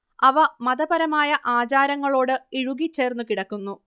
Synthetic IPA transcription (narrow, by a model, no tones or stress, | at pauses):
ɐʋɐmɐðɐbɐɾɐmaːjɐʔaːt͡ɕaːɾɐŋːɐɭo̞ːɽɨiɻuɣit͡ɕːe̞ːrnːukiɽɐkːunːu